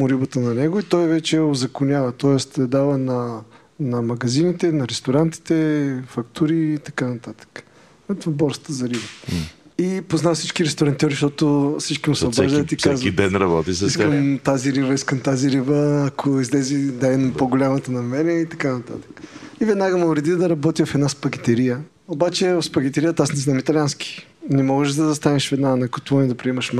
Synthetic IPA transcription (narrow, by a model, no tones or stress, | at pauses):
mʊɾibət̪ənɐnɛɡʊit̪ɔjvɛt͡ʃɛozɐkʊnʲavət̪ɔɛst̪ɛd̪avənɐ | nɐmɐɡɐzinit̪ɛnɐɾɛst̪ʊɾant̪i̥t̪ɛfɐkt̪uɾiːt̪ɐkanɐt̪at̪ə̥kə̥ | ɛt̪vabɔɾst̪əzɐɾibə | ipoznafsit͡ʃkiɾɛst̪ʊɾant̪ioɾiʃt̪ɔt̪ʊsit͡ʃkimʊsɐɾzət̪ikazvid̪ɛnɾɐbɔt̪isisəmt̪aziɾivəiskəmt̪aziɾivəːkʰʊizlɛzid̪ainopoɡolʲamət̪ənɐmɛɾɛɛit̪ɐ̥kanɐt̪a̰t̪ə̥kə̥ivɛd̪naɡəmoʊɾɛd̪id̪ɐɾɐbɔt̪ifɛd̪naspɐɡit̪ɛɾijə | obat͡ʃɛfspɐɡ̟it̪ɛɾijət̪asniznamit̪ɐlʲanski̥nɛmɔɡəʃd̪ɐzɐst̪anɛʃvɛd̪nanɐkʊt̪ɔnid̪ɐpɾiɛmɐʃm